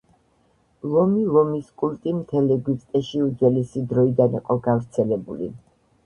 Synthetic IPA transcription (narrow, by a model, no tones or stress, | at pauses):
lˠɔmilˠɔmiskʼult̪ʼimt̪ʰɛlɛɡwisʼt̪ʼɛʃiud̪zɛlisid̪ɾɔid̪aniqʼɔɡavɾt̪sʰɛlɛbulḭ